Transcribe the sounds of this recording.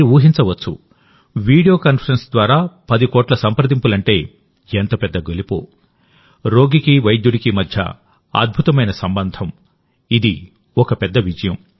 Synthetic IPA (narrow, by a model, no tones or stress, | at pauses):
iuːɦint͡ʃɐʋɐt͡ʃːṵ | ʋiːɽijo̞ːkɐnpʰɐɾɐnsd̪ʋaːɾaːpɐd̪ikɔːʈlɐsɐmpɾɐd̪impulɐɳʈe̞ː | ent̪ɐpɛd̪ːɐɡolipo̰ː | ɾo̞ːɡikiʋɐjd̪juɽikimɐd̪ʱjɐ̰ | ɐ̰d̪̚bʱut̪ɐmɐjnɐsɐmbɐnd̪ʱɐm | id̪i | ɔkɐpɛd̪ːɐʋid͡ʒɐjɐm